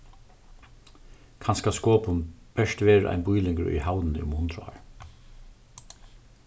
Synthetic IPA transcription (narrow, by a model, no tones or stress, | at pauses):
kʰanskaskɔːpʊnb̥ɛʂt̪ʋeːɹʔa̰jnbʊjlɪŋkəɹʊ̰jhawnɪnɪ̰ʊmhʊnt̪ɾʊa̰ːɹ